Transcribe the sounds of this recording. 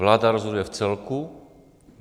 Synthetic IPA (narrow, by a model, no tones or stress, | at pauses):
laːd̪aɾɔzɦɔd̪ujɛft͡sɛlku